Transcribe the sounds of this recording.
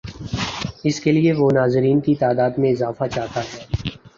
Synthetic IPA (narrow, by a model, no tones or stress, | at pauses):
ɪskelieʋonaːzɪɾiːnkit̪aːd̪aːd̪mẽɪzaːfat͡ʃaːt̪aɦɛː